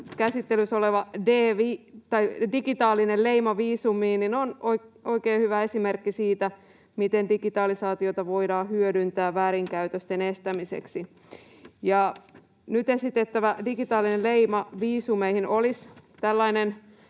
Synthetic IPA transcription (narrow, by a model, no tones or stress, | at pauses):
kæsit̪ːelysoleʋɑdeːʋit̪ɑidiɡit̪ɑːlːˑinelleimɑʋiːsumiːninonoio̞ikeːhyʋæe̞simerkːisiːt̪æ | mit̪endiɡit̪ɑːlisɑːt̪iot̪ɑʋo̞idɑːhyødynt̪æːʋæːɾiŋkæyt̪øst̪enest̪æmisḛksi | jɑ | nyt̪esit̪et̪ːæʋædiɡit̪ɑːlːˑineleimɑʋiːsumeihinolist̪ælːɑinen